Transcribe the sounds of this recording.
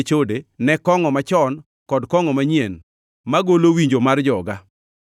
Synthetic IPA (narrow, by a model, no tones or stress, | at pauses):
t͡ʃodenɛkɔŋɔmat͡ʃɔn | kɔdkɔŋɔmaɲjen | maɡolowiɲd͡ʒomard͡ʒɔɡa